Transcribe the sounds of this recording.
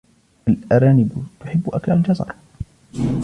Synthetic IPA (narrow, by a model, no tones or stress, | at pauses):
alʔaɾaːnɪbt̪ʊħɪbːʔaklald͡ʒɑzɑ̰ɾˤ